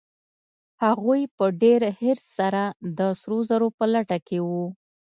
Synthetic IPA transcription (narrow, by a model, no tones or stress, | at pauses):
haɣujpəɖeɾhɪɾsːaɾad̪əsɾozaɾopəlaʈakewu